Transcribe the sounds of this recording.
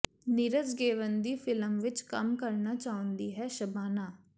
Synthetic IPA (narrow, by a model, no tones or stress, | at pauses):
nɪɾəd͡ʒɡeːʋənd̪iːpʰɪləmʋɪt͡ʃkəmkəɾnaːt͡ʃaːʊ̃nd̪iːɦɛːʃəbaːnaː